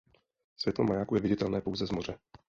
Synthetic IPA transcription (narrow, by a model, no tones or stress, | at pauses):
svjɛt̪lomajaːkujɛvɪɟɪt̪ɛlnɛːpowzɛzmorɛ